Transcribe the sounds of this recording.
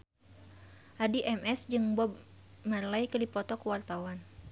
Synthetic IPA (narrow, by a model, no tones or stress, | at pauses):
ʔadiʔɛmʔɛsd͡ʒɨŋbɔb̚ | mərlaikəlipɔt̪ɔkəwart̪awan